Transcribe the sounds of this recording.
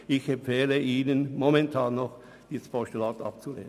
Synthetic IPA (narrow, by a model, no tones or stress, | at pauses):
ɪçɛmfɛːləʔiːnənmɔmɛntʰɑːnːɔχ | d̥iːsə̥fɔʃtulɑːtɑ̰p̚t͡sulḛːnə